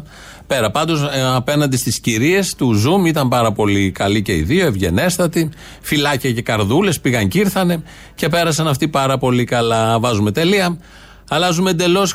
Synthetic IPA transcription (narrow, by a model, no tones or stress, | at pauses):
pe̞ɾɐpɐnd̪o̞sɐpe̞nɐnd̪ist̪isciɾie̞st̪uzumit̪ɐmpɐɾɐpo̞likɐlice̞ḭðio̞e̞vʝe̞̰ne̞st̪ɐt̪i | filɐciɐce̞kɐɾðule̞spiɣɐɲciɾθɐne̞ | ce̞pe̞ɾɐsɐnɐft̪ipɐɾɐpo̞likɐlɐvɐzume̞t̪e̞liɐ | ɐlɐzume̞nd̪e̞lo̞s